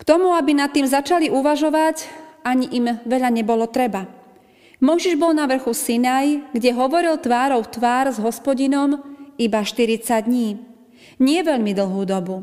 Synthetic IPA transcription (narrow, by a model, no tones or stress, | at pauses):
kt̪ɔmuabinat̪ːiːmzat͡ʃaliʔuʋaʒɔʋaɟaɲiʔimʋɛʎaɲɛbɔlɔt̪ɾɛba | mɔjʒiʒbɔlnaʋr̩xusinajɡɟɛɦɔʋɔɾilt̪ʋaːɾɔʊt̪ʋaːɾzɦɔspɔɟinɔmibaʃt̪iɾit͡saɟd̪ɲiː | ɲɪɛʋɛʎmid̪l̩ˠɦuːd̪ɔbu